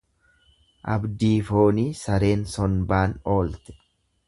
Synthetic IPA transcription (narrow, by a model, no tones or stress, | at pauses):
ʔɐ̰bd̪iːfo̞ːniːsɐɾe̞ːnsɔnbaːno̞ːlt̪ɛ̥